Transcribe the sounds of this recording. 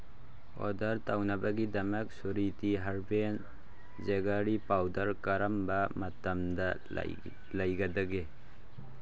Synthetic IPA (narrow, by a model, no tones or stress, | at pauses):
ɔ̰dɐɾtawnabaɡidɐmɐk̚suɾitiɦaɾben | zeɡaɾipawdɐɾkaɾɐmbamɐtɐmda̰ | lɐjɡadɐɡe